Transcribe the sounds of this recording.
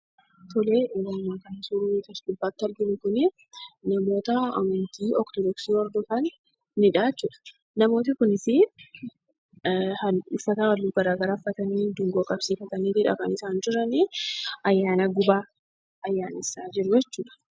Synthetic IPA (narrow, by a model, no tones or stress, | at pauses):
t̪ɔleːʊlɐmaːkɐnsʊɾut̪ɐsdʊbːaːt̪ːɐlɡɪnɪkʊnɪ | nɐmo̞ːt̪ɐɐ̰mɐnt̪iːʔɔkt̪ɔd̪ɔksiːɔɾd̪ɔfɐnː | ɪᶑaːt͡ʃːuːᶑɐ̥ | nɐmo̞ːt̪̬ɐkʊnɪsi | ʊfːɐt̪awɐlːuːɡɐɾaːɡɐɾaːfːɐt̪ɐniːd̪ʊŋɡoːkʼɐbsiːfɐt̪ɐniːd̪ɪᶑɐ̰kɐnɪsaːnd͡ʒʊɾɐniʔɐjːaːnɐɡʊbaː | ɐjːaːnɪsaːd͡ʒɪɾʊd͡ʒɛt͡ʃːuːᶑɐ̥